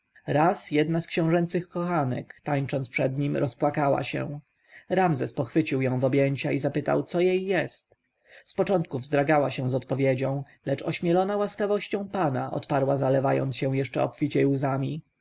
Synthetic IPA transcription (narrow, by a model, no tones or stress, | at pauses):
ɾasjɛd̪naskɕɛ̃w̃ʐɛnt̪sɘxkɔxanɛ̰kt̪aɲt͡ʂɔnt̪spʂɛd̪ɲimɾʔɔspwakawa̰ɕɛ̰̃ | ɾamzɛspɔxfɘt͡ɕiwjɔ̃w̃vɔbʲjeɲt͡ɕaizapɘt̪a̰wt̪sɔjejːɛst̪ | spɔt͡ʂɔnt̪̚kuvzd̪ɾaɡawaɕɛ̃w̃zɔt̪pɔvʲjed͡ʑɔ̃w̃ | lɛt͡ʂɔɕmʲɛlɔnawaskavɔɕt͡ɕɔ̃w̃panaʔɔ̰t̪paɾwazalɛvajɔ̰nt̪sɕɛw̃jɛʂt͡ʂɛɔ̰pfʲit͡ɕɛjuzamʲi